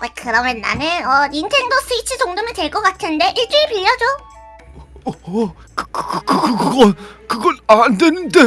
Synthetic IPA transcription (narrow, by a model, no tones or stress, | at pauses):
akɯɾʌmjʌnːa̰nɯnʌinsʰeŋdos͈ʰɯit͡ɕʰɯtoŋdɯmɯɭtweɭk͈ʌk͈atʰɯnde̞ʔiɭt͡ɕ͈ɯɾipiʎːʌd͡ʑo | kɯkɯkɯkɯɡɡʌnkɯɡʌɾandenɯnde̞